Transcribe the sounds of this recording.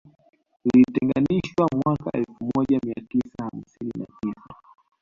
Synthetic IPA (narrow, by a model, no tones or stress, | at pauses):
ilitɛŋɡaniʃwamwakaʔɛlfumɔʄamiatisaham̩sinina̰tisa